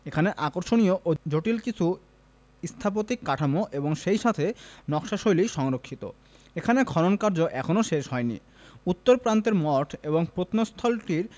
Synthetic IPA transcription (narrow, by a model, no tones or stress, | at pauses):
ekʰaneʔakoɾʃonioʔod͡ʑoʈilkit͡ɕʰu | ist̪ʰap̬ot̪ikːaʈʰamoʔeboŋʃejʃat̪ʰenɔkʃaʃojliʃɔŋɾokʰːit̪o̰ | ekʰanekʰɔɾonkaɾd͡ʑoʔɛkʰonoʃeʃɦɔenḭ | ut̪ːoɾpɾant̪eɾmɔʈʰeboŋpɾot̪nost̪ʰɔlʈiɾ